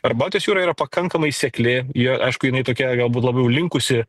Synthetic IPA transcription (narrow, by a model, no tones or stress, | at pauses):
ɐɾbɑːt̪ʲjosjuːɾɐːiːɾɐpɐkɐŋkɐmɐɪsʲɛklʲɪjiɛʔɐ̰ɪʃkʊjɪnɐɪt̪oːkʲɛɡɐlˠbuːt̪lˠɐbɐjɛʊlʲɪŋkʊsʲɪ